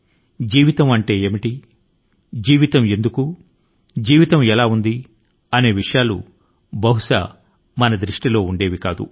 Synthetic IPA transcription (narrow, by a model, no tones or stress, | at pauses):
d͡ʒiːʋit̪ɐmɐɳʈe̞ːeːmiʈi | d͡ʒiːʋit̪ɐme̞nd̪uku | d͡ʒiːʋit̪ɐmɛlaːund̪i | ɐne̞ːʋiʂɐjaːlṵ | bɐɦuʂa̰ː | mɐnɐd̪ɾiʂʈilo̞ːuɳɖe̞ːʋikaːd̪ṵ